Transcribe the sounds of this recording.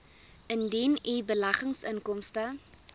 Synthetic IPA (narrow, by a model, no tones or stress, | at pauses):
əndinibəlɐχəŋsəŋkɔmstə